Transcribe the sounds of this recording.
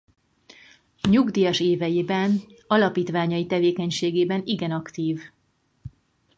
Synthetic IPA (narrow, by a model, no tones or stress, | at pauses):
ɲuɡd̪iːjɒʃeːvɛjiːbɛn | ɒlɒpiːt̪ʋaːɲɒjit̪ɛveːkɛɲʃeːɡeːbɛniɡɛnɒkt̪iːv